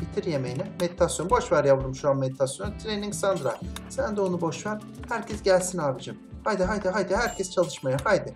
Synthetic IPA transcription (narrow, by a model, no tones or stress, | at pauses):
bit̪ʰiɾjemejinɛme̞d̪it̪ʰasjo̞nbo̞ʃvaɾjavɯlˠɯmʃuanme̞d̪it̪ʰasjo̞nut̪ʰɾeniŋksand̪ɾa̰sænd̪ɛo̞nubo̞ʃvæɾ | hæɾcʰɛsɟælʲsinaːvɯd͡ʒamhajd̪ɯɦajd̪ɯɦajd̪ɯhæɾcʰɛst͡ʃʰalˠɯʃmajahajd̪ɯ